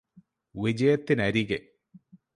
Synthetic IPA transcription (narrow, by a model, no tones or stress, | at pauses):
ʋid͡ʑɐjɐt̪ːinɐɾiɣe